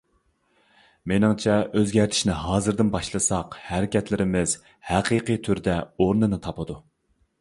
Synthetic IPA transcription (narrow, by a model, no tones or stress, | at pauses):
menɨŋt͡ʃʰɛøzɡʲæɾt̪ʰɪ̥ʃnɪɦɑːzɨɾd̪ɪnbɑʃlˠɨsɑqhæɾɪkʲɛt̪lɪɾɪmɪz̥ | hæqijqɨjt̪ʰyɾd̪ɛoɾnɨnɨt̪ʰɑpɨd̪u